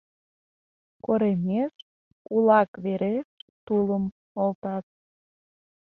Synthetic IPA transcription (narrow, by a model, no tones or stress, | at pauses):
koɾemeʃ | ulɑkβeɾeʃt̪uləm | olt̪ɑt̪̚